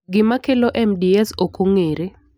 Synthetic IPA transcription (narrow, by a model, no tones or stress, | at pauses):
ɡɪmakeloʔɛmdiɛsokoŋeɾe